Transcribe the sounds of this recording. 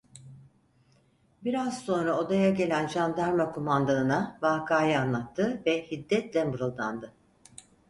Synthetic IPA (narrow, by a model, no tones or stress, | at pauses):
biɾaz̥so̞nɾaod̪ajaɟe̞lʲænd͡ʒand̪æɾmakʰomand̪anɯnavaːkʰaːjɯanlˠat̪ʰːɯvɛhid̪ːɛt̪lʲɛmɯɾɯlˠd̪a̰nd̪ɯ